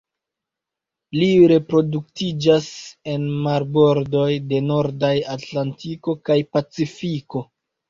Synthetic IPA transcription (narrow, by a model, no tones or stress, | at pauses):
liɾe̞pɾo̞duk̚tid͡ʒase̞nmaɾbo̞ɾdo̞jde̞no̞ɾdajatlantʰiko̞kajpat͡sifiko̞